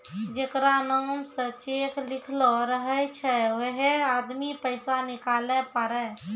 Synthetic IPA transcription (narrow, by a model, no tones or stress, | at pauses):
d͡ʒekɾanɔːmsə̃t͡ʃekʰlikʰlɔɾəɦəjt͡ʃʰɛweɦead̪mipəɪsanikalɛpəɾɛ